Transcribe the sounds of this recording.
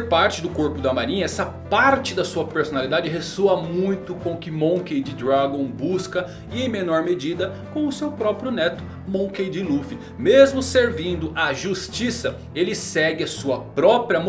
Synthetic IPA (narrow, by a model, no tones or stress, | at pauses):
ɾpaɾt͡ʃɪd̪ʊkoɾpʊd̪ɐmaɾĩɲɐɛsɐpaɾt͡ʃɪd̪ɐsuɐpeɾsonalid̪ad͡ʒɪɦesoɐmũj̃t̪ʊkõkɪmõkejd͡ʒɪd̪ɾaɡõw̃buskɐ | ɪẽj̃menɔɾmed͡ʒid̪ɐ | kõw̃ʊsewpɾɔpɾjʊnɛt̪ʊ̥ | mõkejd͡ʒɪlufi | mezmʊseɾvĩnd̪ʊʔɐʒust͡ʃisɐ | elɪsɛɡɪɐsuɐpɾɔpɾiɐm